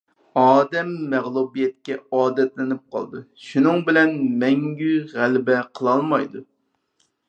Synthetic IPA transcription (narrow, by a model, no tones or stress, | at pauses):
ɑːd̪ɛmːɛʁlˠubijɛt̪̚kʲɛɑːd̪ɛt̪lɪnɪp̚qʰɑ̰lˠd̪u | ʃunɨŋbɪlɛnmɛŋɡʲyʁælbɛqʰəlˠɑlˠmɑjd̪u